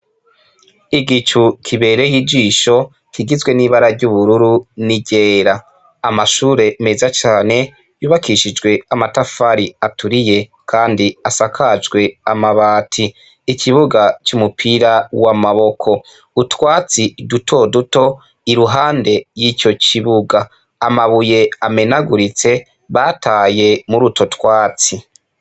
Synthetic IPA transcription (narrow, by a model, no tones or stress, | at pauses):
iɡit͡ʃukʰiβe̞ɾe̞jid͡ʒiːʃo̞ | kiɡizwe̞niːβaɾaɾɟuβuɾuɾuniɟe̞ːɾaː | maʃuːɾe̞me̞zat͡ʃaːne̞ | juːβakʰiʃid͡ʒɡwe̞amatafaɾiatuɾije̞ | kʰaːndiasakʰad͡ʒɡwe̞amaβaːtʰiː | cʰiβuɡat͡ʃumupʰiɾawamaβo̞kʰo̞ | utwaːt͡sidutʰo̞duto̞ | iɾuɦaːnde̞jico̞ciβuɡa | amaβuje̞ame̞naɡuɾit͡se̞ | βatʰaːje̞muɾuto̞twaːt͡si